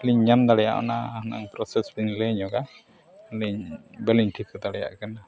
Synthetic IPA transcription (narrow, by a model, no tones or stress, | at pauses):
liɲɲamd̪aɽɛja̰ʔɔ̰nahna̰ŋpɾɔsɛsbiɲlɛɲɔɡa | liɲbɛliɲʈʰikd̪aɽɛja̰ʔkana